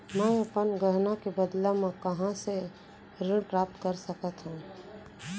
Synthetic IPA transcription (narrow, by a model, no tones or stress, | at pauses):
mɛ̃ɐpənɡəɦnakebəd̪lamẽkɐɦãse | ɾɪɽpɾaːp̚t̪kəɾsəkət̪ɦũ